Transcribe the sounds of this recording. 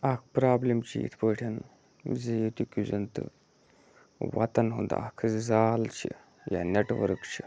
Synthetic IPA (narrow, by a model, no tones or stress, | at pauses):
ak̚ʰpɾablemt͡ɕiḭt̪ʰpəʈʰan | d͡zejet̪ʲikʲuzənt̪ɨ̰ | ʋa̰t̪ənɦo̰nd̪a̰a̰kʰd͡zalt͡ɕḭ | ja̰neʈʋə̰ɾkt͡ɕʰi